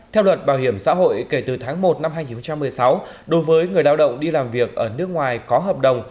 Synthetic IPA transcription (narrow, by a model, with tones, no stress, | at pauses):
t̪ʰɛ˧wlwə˨˩t̚ɓaː˨˩whi˧˩əmsa̰ː˧˥ɦo̰˧˨jke˧˩t̪ɨ˨˩t̪ʰaː˨˦ŋmo˨˩t̚na˧mɦaː˧jɲi˨˩n˨xə˧ŋ͡mt͡ɕa˧mːɨ˨˩əjsa˨˦w | ɗo˨˦jvəː˨˦jŋɨ˨˩əjɗaː˧wɗə̰˧˨wŋ͡mɗi˧laː˨˩mvi˨˩ək̚ʔəː˧˩nɨ˦˥ək̚ŋwaː˨˩jkɔ˨˦ɦəː˨˩p̚ɗə˨˩wŋ͡m